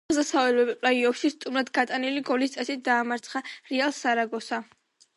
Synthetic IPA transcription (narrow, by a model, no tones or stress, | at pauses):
zasavɛlɛbɛpʼlaiɔpʃist̪ʼumɾad̪ɡat̪ʼaniliɡɔlist̪sʼɛsit̪̚ʰd̪aːmaɾt̪sʰχaɾialˠsaɾaɡɔsa